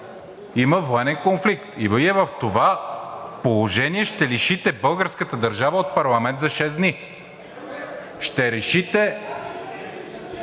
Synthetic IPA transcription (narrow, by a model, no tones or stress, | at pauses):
iməvoɛnɛnkonflikt̪iviɛvɐft̪ovapolˠoʒɛniɛʃt̪ɛliʃit̪ɛbɤlˠɡəɾskət̪əd̪ɐɾʒavəot̪̚pɐɾlˠɐmɛnt̪zɐʃɛzd̪ni | ʃt̪ɛɾɛʃit̪ɛ